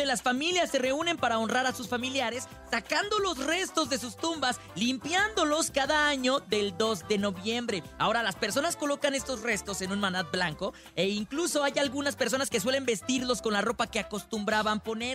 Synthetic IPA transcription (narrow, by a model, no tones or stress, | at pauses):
elasfamiljasːe̞re̞une̞mpaɾao̞nraɾasusfamiljaɾe̞sːakand̪o̞lo̞sre̞st̪o̞zðe̞s̬ust̪umbas | limpjand̪o̞lo̞skaðaaɲo̞ðe̞ld̪o̞zðe̞no̞βje̞mbɾe̞ao̞ɾalaspe̞ɾso̞nasko̞lo̞kane̞st̪o̞sre̞st̪o̞se̞nũnmanat̪̚blaŋko̞ | e̞iŋkluso̞ajalɣunaspeɾs̬o̞naske̞s̬we̞lembe̞st̪iɾlo̞sko̞nlaro̞pake̞ako̞st̪umbɾaβampo̞ne̞ɾ